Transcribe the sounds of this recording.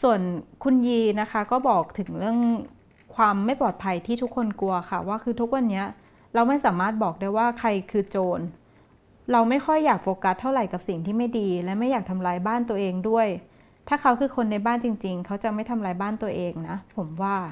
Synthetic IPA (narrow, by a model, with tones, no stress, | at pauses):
su˨˩ənkʰu˧njiː˧na˦˥kʰa˦˥kɔː˥˩bɔː˨˩k̚t̪ʰɯ˩˦ŋɾɯ˥˩əŋ | kʰwaː˧mːa˥˩jpɔː˨˩t̪̚pʰa˧jt̪ʰiː˥˩t̪ʰu˦˥kʰːo˧nku˧ɐxʰa˥˩waː˥˩kʰɯː˧t̪ʰu˦˥k̚wa˧nːi˦˥ɐʔ | ɾa˧wma˥˩jsaː˩˦maː˥˩t̪̚bɔː˨˩k̚daː˥˩jwaː˥˩kʰa˧jkʰɯː˧t͡ɕoː˧n | ɾa˧wma˥˩jxʰɔ˥˩jːaː˨˩k̚foː˧ka˧˦˥t̪ʰːa˥˩wɾa˨˩jka˨˩p̚si˨˩ŋt̪ʰiː˥˩ma˥˩jdiː˧lɛ˦˥wma˥˩jaː˨˩k̚t̪ʰa˧mlaː˧jbaː˥˩nt̪u˧ɐʔeː˧ŋdu˥˩əj | t̪ʰaː˥˩kʰa˦˥wkʰɯː˧kʰo˧nːa˧jbaː˥˩nt͡ɕi˧ŋt͡ɕi˧ŋkʰa˦˥wt͡ɕa˨˩ma˥˩jt̪ʰa˧mlaː˧jbaː˥˩nt̪u˧ɐʔeː˧ŋna˦˥pʰo˩˦mwaː˥˩